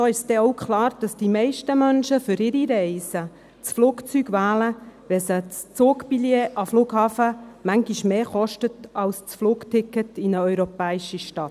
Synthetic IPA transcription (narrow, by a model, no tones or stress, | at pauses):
soːɪʃsd̥ɛɔʊkʰχlɑːɾd̥ɑsd̥imɛɪʃtəmœnʃəfʏɾɪɾiɾɛɪsə | t͡sfluːkt͡syɡʋæːləʋɛsət͡st͡soːkpiljeːʔɑfluːɡhɑːfəmæŋɡiʃmeːχɔʃtətɑlst͡sfluːktʰɪkːətinəœʏɾɔpɛːɪʃiʃtɑt